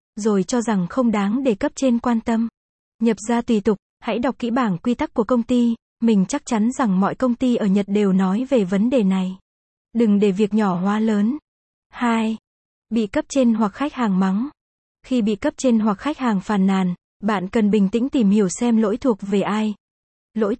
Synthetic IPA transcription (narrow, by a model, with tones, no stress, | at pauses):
zo˨˩jt͡ɕɔ˧za˨˩ŋxə˧wŋ͡mɗaː˨˦ŋɗe˧˩kə˦˥p̚t͡ɕe˧nkwaː˧nt̪ə˧m | ɲə˨˩p̚zaː˧t̪wi˨˩t̪ʊ˨˩k͡p̚ha̰˧˥jɗa˨˩k͡p̚kḭ˧˥ɓaː˧˩ŋkwi˧t̪a˦˥k̚ku˧˩əkə˧wŋ͡mt̪i˧ | mï˨˩ŋ̟t͡ɕa˦˥k̚t͡ɕa˨˦nza˨˩ŋmɔ̰˧˨jkə˧wŋ͡mt̪i˧ʔəː˧˩ɲə˨˩t̚ɗe˨˩wnɔ˨˦jve˨˩və˨˦nɗe˨˩na˨˩j | ɗɨ˨˩ŋɗe˧˩vi˨˩ək̚ɲɔ˧˩hwaː˨˦ləː˨˦n | haː˧j | ɓḭ˧˨kə˦˥p̚t͡ɕe˧nhwa˨˩k̚xa˦˥jk̚haː˨˩ŋma˨˦ŋ | xi˧ɓḭ˧˨kə˦˥p̚t͡ɕe˧nɦwa˨˩k̚xa˦˥jk̚haː˨˩ŋfaː˨˩nːaː˨˩n | ɓa̰ː˧˨nkə˨˩nɓï˨˩ŋ̟t̪ï˧˥ŋ̟t̪i˨˩mhi˧˩əwsɛ˧mlo̰˧˥jt̪ʰu˨˩ək̚ve˨˩ʔaː˧j | lo̰˧˥j